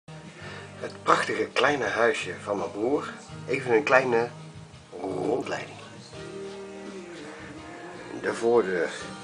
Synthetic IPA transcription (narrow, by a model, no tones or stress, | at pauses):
ɦətprɑχtəɣəklɛjnəɦœɥsjəvɑnəbuːrejvənənklɛjnə | rrɔntlɛ̰jdɪŋ | dəvʊːɹdøːɹ